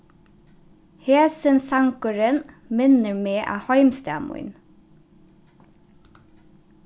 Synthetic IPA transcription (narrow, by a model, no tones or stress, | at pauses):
heːsənsɑŋkʊɹən | mɪnəɹmeːʔɑ̰ːhɔʏmst̪æ̰ːmʊ̰ʏn